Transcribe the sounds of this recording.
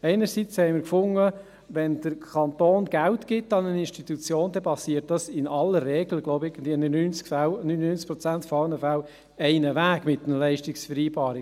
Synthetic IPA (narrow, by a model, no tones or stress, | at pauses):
ɛɪnəɾsit͡shɛɪməɾkfʊŋə | ʋɛnd̥əɾkʰɑnt̪oːnɡ̥æwtɡ̥ɪtːɑnənɪnʃtit̪ut͡sjoːndɛpɑsiət̚d̥ɑsɪnɑlərːɛːɡləɡloʊbɪɡəndviənynt͡skfwnynnynt͡s̚pɾɔt͡sæntfɔɑnəfaʊ | ɛɪnəʋæːɡmɪt̪ːənəlɛɪʃtɪksfəɾiːbɑːɾɪ